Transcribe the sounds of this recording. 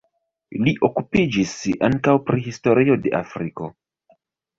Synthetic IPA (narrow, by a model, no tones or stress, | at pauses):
liʔokupid͡ʒisa̰ŋkawpɾiɦisto̞ɾio̞de̞ʔa̰fɾiko̞̰